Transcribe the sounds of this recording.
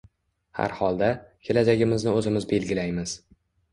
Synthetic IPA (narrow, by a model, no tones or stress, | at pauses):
ha̰ɾhɒlˠd̪akʲʰe̞lad͡ʒaɡʲɪmɪznɪɵzɪmɪzbe̞lɡʲɪlajmɪz̥